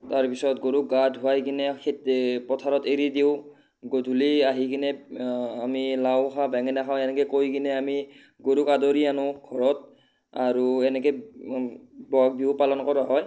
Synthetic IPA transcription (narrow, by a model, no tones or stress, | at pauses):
taɹpisɔtɡoɹuk̚ɡadʱuajkinɛkʰɛtpɔtʰaɹɔteɹidiʊ | ɡodʱuliaɦikinɛamilawxʰabɛŋɛnakʰawɛnɛkɛkojkinɛami | ɡoɹukadoɹianʊɡʱɔɹɔt̚ | aɹuɛnɛkɛ | bɔak̚biʊpalɔnkɔɹaɦɔj